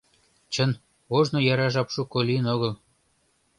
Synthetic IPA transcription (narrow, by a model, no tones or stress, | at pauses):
t͡ɕən | oʒnojɑɾɑʒɑpʃukoliənoɣəl